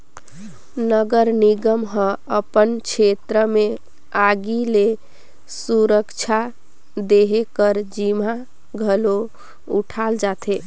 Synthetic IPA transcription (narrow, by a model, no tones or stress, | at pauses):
nəɡəɾniɡəmɦə̃əpənkt͡ʃʰet̪ɾəme | aɡile | suɾəkt͡ʃʰa | d̪eɦekəɾd͡ʒima | ɡʱəlo | uʈʰald͡ʒat̪ʰe